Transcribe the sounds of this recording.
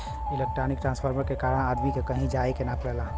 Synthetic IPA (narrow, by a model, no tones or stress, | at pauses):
ilek̚ʈɾanik̚ʈɾãnspʰəɾməɾkekaːɾəɽad̪mikekəɦĩd͡ʒaekenapəɽɛlã